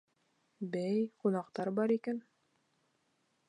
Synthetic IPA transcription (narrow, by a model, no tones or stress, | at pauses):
bæjqunɑqt̪ɑɾbɑɾikæn